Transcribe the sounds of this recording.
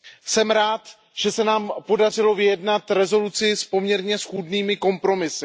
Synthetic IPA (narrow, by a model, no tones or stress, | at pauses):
sɛmɾaːt̪ | ʒ̥ɛsɛnaːmpo̞dar̝ɪlo̞vɪjɛdnat̪ɾɛzo̞lut͡sɪspo̞mɲɛɾɲɛsxuːdniːmɪko̞mpɾo̞mɪsɪ